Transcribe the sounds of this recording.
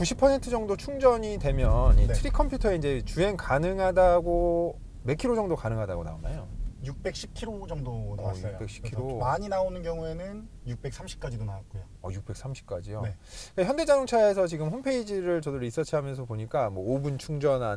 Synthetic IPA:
kuɕʰipʰʌsʰe̞ntʰɯd͡ʑʌŋdot͡ɕʰuŋd͡ʑʌɲidwe̞mjʌnitʰɯɾikʰʌmpʰjutʰʌe̞ind͡ʑe̞t͡ɕue̞nkanɯŋɦadaɡo | me̞kʰiɾod͡ʑʌŋdokanɯŋɦadaɡona̰ona̰jojuk̚p͈e̞k̚ɕ͈ʰip̚kʰiɾod͡ʑʌŋdoajṵkp͈e̞k̚ɕʰi̥pkʰiɾomaɲinaonɯnkjʌŋue̞nɯnjuk̚p͈e̞ksʰamɕʰi̥p̚k͈ad͡ʑidonawat̚k͈ojo | ʌ̰juk̚p͈e̞ks͈amɕʰi̥p̚k͈ad͡ʑijoeik͈açjʌnde̞d͡ʑadoŋt͡ɕʰaesʰʌt͡ɕiɡɯmɸompʰe̞id͡ʑiɾɯɭt͡ɕʌdɯɾis͈ʌt͡ɕʰiɦamjʌns̬ʰʌpoɲik͈amwʌobunt͡ɕʰuŋd͡ʑʌnan

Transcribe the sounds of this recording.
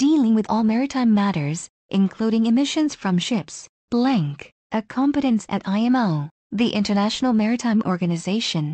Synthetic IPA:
d̥ilˠɪ̃ŋwɨðɔlˠmɛɹɨtʰãɪ̃mːæɾə˞z | ʔɨ̃nkʰl̥uɾɪ̃ŋɨmɪʃɨ̃nz̥fɹʌ̃mʃɪps | b̥læ̃ŋk | ʔɨkʰɑ̃mpɨɾɨ̃nsɨ̰ɾaɪɛ̃moʊ | ðiʔɪ̃ntə˞næʃn̩l̩ˠmɛɹɨtʰãɪ̃mʔɔɹɡɨnɨzeɪʃɨ̃n

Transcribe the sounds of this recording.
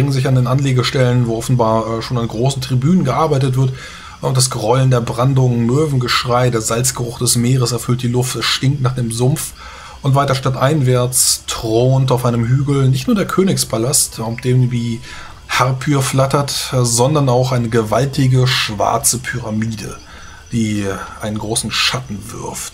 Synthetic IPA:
ɪŋənzɪçandeːnʔanleːɡəʃtɛlənvoːʔɔfn̩baːɐʔɛːʃoːnanɡʁoːsn̩tʁ̥ibyːnənɡəʔaɐbaɪtətv̥ɪɐt | ʊntd̥asɡ̥ʁɔləndeːɐbʁandʊŋmøːvn̩ɡəʃʁ̥aɪdeːɐz̥alt͡sɡ̥əʁʊχd̥ɛsmeːʁəsɛɐfʏlt̚d̥iːlʊftɛsʃtɪŋk̚tnaːχd̥eːmzʊmf | ʔʊntv̥aɪtɐʃtatʔaɪnvɛɐt͡stʁ̥oːntaʊfʔaɪnəmɦyːɡl̩nɪçtnuɐdeːɐkʰøːnɪkspʰalastafd̥eːmviː | haʁpʰyːɐflatɐtzɔndɐnaʊxʔaɪnəɡəvaltɪɡəʃv̥a̰ɐt͡səpʰyʁamiːdə̰ | d̥iːʔaɪnənɡʁoːsn̩ʃatn̩vɪ̰ɐft

